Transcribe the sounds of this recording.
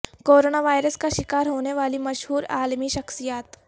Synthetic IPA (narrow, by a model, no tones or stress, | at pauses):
koːɾoːnaʋaːjɾəskaʃɪkaːɾɦoːneʋaːlimɐʃɦuːɾa̰ːlmiʃɐxsijaːt̪